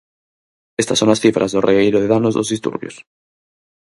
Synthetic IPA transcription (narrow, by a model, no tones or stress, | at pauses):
est̪asoŋasθifɾʔazðoreɣejɾoðeðanozðo̰zðist̪ṵɾβjo̰s